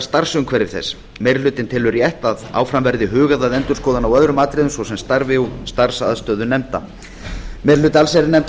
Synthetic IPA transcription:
st̪ar̥sʏmkʰvɛɾɪɾθɛ̰sː | mejɾlʏːt̪ɪnt̪ʰɪlʏɾjɛht̪aða̰ːwfɾamvɛɾðɪɦʏːɣaðaðɛnt̪ʏ̥skɔːðanawœðɾʏmaːt̪ɾɪðʏmsvɔsɛmst̪aɾvɪust̪ar̥sa̰ðst̪œːðʏnɛmt̪a̰ | mɛjɾlʏːt̪alsɛɾɪnɛmt̪

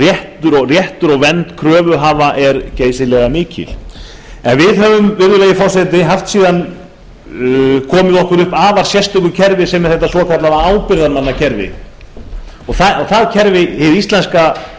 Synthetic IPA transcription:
rjɛht̪ʏɾɔɣrjɛht̪ʏɾɔɣvɛnt̪kʰɾœːvʏɦaːvaʔɛɾceːjsɪlɛɣamɪːcɪ̰l | ɛnvɪðɦœvʏmvɪɾðʏlejɪfɔɾ̥sɛt̪ɪɦaft̪siːðan | kʰɔːmɪðɔhkʏɾʏhpaːvaɾ̥sjɛst̪ʏkʏcʰɛɾvɪsɛmɛɾθɛht̪ːasvɔkʰat̪laðaaːwpɪɾðaɾmanːacʰɛɾvɪ̰ | ɔθaθaðcʰɛɾvɪhɪðist̪lɛnska

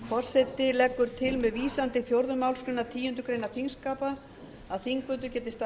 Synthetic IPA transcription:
fɔr̥sɛt̪ɪlɛkːʏɾ̥t̪ʰɪlmɛðviːsant̪ɪfjowɾðʏmawlskɾʏnːat̪ʰiːjʏnt̪ʏkɾejnaθinskaːpa | aðθiŋkvʏnt̪̬ʏɾcɛːt̪ɪst̪

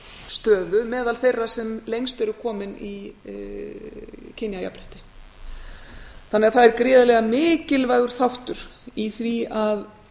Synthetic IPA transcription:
st̪œːðʏmɛːðalθejrːasɛmlejŋst̪ɛɾʏkʰɔːmɪni | cʰɪnjaja̰pɾɛht̪ɪ̥ | θanːɛɣaθaðɛɾkɾɪːðalɛɣamɪːcɪlvajɣʏɾ̥θawht̪ʏɾ̥iθviað

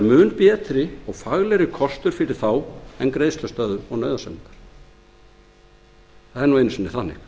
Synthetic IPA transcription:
ɾmʏːnpjɛːt̪ɾɪɔɣfaɣlɛɾɪkʰɔst̪ʏɾ̥fɪɾɪɾ̥θawɛnkɾeːjstlœst̪œːðʏɔɣnœːɥðasɛnmɪŋk̪ḁɾ̥ | θaðɛɾnuejnsvɛnɪ̥θanːɪ̰x

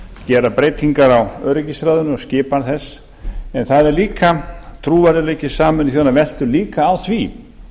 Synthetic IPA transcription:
cɛːɾapɾeːjt̪iŋkaɾawœɾɪcisɾaːðʏnʏɔscɪːpaɾθɛs | ɛnθaðɛɾliːkat̪ʰɾuːvaɾɪlecɪ̥saːmʏnθjɔnavɛl̥t̪ʏliːkaːwθvi

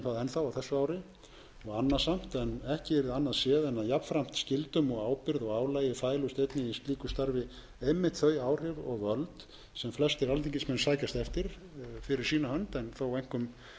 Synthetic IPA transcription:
θaðɛnθawawθɛsːʏaːwɾɪ | ɔɣanːasam̥t̪ɛnɛhcɪɛɾɪðanːaðsjɛːðɛnaðjapfɾam̥t̪scɪlt̪ʏmɔɣaːwpɪɾðɔɣaːwlaːjɪfaːjlust̪ejt̪nɪist̪liːkʏst̪aɾvɪ | ejmːɪht̪θœɥaːwr̥ɪɾɔɣœlt̪ | sɛmflɛst̪ɪɾalt̪ʰiɲcɪsmɛnsaːjcast̪ɛft̪ɪɾ̥ | fɪɾɪɾ̥siːnahœnt̪ɛnθawɛjŋ̥kʏm

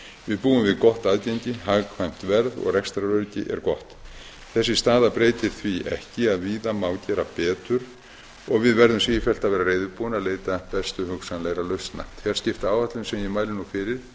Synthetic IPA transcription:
vɪðpuːʏmvɪðkɔht̪aːðcɛjɲcɪɦaɣkʰvajm̥t̪vɛɾðɔ̰ɣrɛkst̪ɾaɾœɾcɪ̰ʔɛ̰ɾkɔht̪ | θɛsːɪst̪aːðapɾeːjt̪ɪɾ̥θviʔɛ̰hcɪaðviːðamaːwcɛːɾapɛːt̪ʏɾ̥ | ɔɣvɪðvɛɾðʏmsiːjɪfɛl̥t̪aðvɛːɾareːjðʏɾpuːɪnaðleːjt̪apɛst̪ʏhʏksanlejɾalœɥst̪na̰jm̥t̪fjɛɾ̥scɪft̪aːwvaht̪lʏmsɛmjɛmaːjlɪnːufɪːɾɪɾ̥

